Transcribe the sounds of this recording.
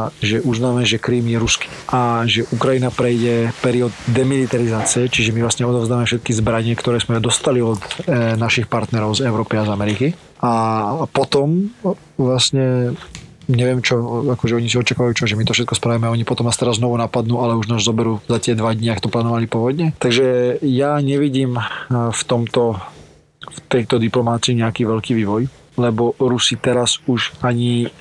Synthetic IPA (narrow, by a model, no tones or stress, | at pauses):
ʒɛʔuznaːmɛʒɛkɾiːmjɛɾuski̥ːʔaʒɛʔukɾajinapɾɛjɟɛpɛɾiɔd̪ːɛmilit̪aɾizaːt͡siɛt͡ʃiʒɛmivlasɲɛɔd̪ɔʊzd̪aːmɛfʃɛt̪̚kizbɾaɲɪɛkt̪ɔɾɛːzmɛd̪ɔst̪aliɔd̪naʃixpaɾt̪nɛɾɔʊzɛʊɾɔːpiazamɛɾiki | ʔapɔt̪ɔm | ʋlasɲɛ | ɲɛʋɪɛmt͡ʃɔakɔʒɛɔɲis̬iɔt͡ʃakaːʋajuːt͡ʃɔʒɛmit̪ɔfʃɛt̪kɔspɾaʋimɛɔɲipɔt̪ɔmnast̪ɛɾaznɔʋunapad̪nuːalɛuʒnaːzzɔbɛɾuːzat̪ɪɛd̪ʋad̪ɲɪakt̪ɔplaːnɔʋalipɔʋɔd̪ɲɛt̪aɡʒɛjaɲɛʋiɟiːmft̪ɔmt̪ɔ | ft̪ɛjt̪ɔd̪iplɔmaːt͡siːɲɛakiːʋɛʎkiːʋiːʋɔj | lɛbɔɾusit̪ɛɾazuʃaɲi